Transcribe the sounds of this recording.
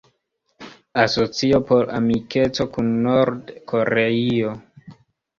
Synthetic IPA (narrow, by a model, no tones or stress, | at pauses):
aso̞t͡siopo̞ɾa̰mike̞t͡so̞kunːo̞ɾdkʰo̞ɾeio